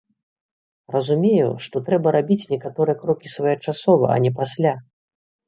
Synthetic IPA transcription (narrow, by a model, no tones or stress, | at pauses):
rɐzumʲejṵʂt̪ɔt̪ɾɛbɐɾabʲit͡sʲnʲɛkat̪ɔɾɨjɛkɾɔkʲisvajɐt͡ʂasɔvɐ̰ʔɐ̰nʲɛpasʲlʲa